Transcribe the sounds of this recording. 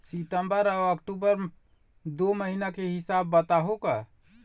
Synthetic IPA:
sit̪əmbəɾabəkʈubəɾ | d̪oməɦinakeɦisabːət̪aɦoka

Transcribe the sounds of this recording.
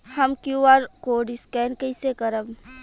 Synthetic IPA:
hɐmkjuaːɾkoːɖiskɛːnkəɪsekəɾəm

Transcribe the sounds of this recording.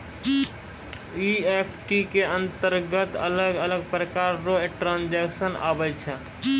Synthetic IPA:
iepʰʈikeə̃nt̪əɾɡət̪ələɡələɡ̚pɾəkaːɾɾoeʈɾãːnd͡ʒɛkʃəna̰ːbəjt͡ʃʰɛ

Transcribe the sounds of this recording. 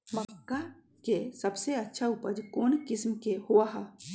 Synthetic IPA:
mɐkːa | kesɐbseɐtːʃʰaʊpəd͡ʒkoːnkɪsmkehuaɦa

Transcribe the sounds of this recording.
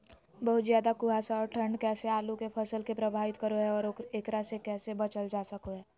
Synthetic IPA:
bəɦʊt̪zjaːd̪akʊɦasaɔːɾʈʰə̃ɳɖkɛːseaːlukepʰɐsəlkepɾɐbʱaːʋɪt̪kəɾoɦɛɔːɾeːkɾasekɛːsebɐt͡ʃəld͡ʒaːsəkoɦɛː

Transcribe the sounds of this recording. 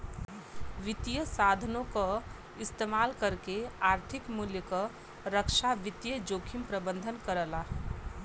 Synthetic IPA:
ʋɪt̪ijəsaːd̪ʱənõko | ɪst̪emaːlkəɾkeaːɾt̪ʰɪkmuljəkə | ɾəkʃaʋɪt̪jəd͡ʒoːkʰimpɾəbə̃nd̪ʱənkəɾəla

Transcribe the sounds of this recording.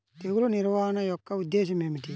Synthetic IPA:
t̪eɡuluniɾwaːnɐjɔkːaud̪eːʃ̬imemiʈi

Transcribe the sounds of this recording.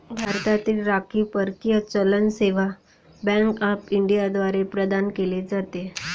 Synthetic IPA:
bʱaɾt̪at̪iːlɾakʰiːpəɾkijət͡ɕələnseʋa | bɛ̃ŋkəpiɳɖijad̪ʋaɾepɾəd̪ankeled͡zat̪e

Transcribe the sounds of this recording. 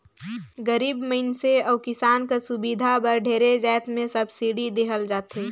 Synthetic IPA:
ɡəɾiːbməɪnseɔːʊkɪsaːnkasʊbid̪ʱabɐɾɖʱeːɾed͡ʒɛːt̪mẽsɐbsiɖid̪eːɦəld͡ʒaːt̪ɦeː

